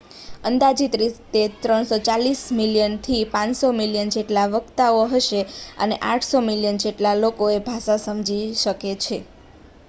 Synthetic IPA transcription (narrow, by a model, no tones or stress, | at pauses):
ənd̪ad͡ʒit̪ɾist̪et̪ɾəɳsot͡ʃalismiljənt̪ʰipãnsomiljənd͡ʒeʈlaʋəɡt̪aoɦəʃeə̰neʔaʈʰsomiljənd͡ʒeʈlalokoebʱaʃasəmd͡ʒiʃəket͡ʃʰe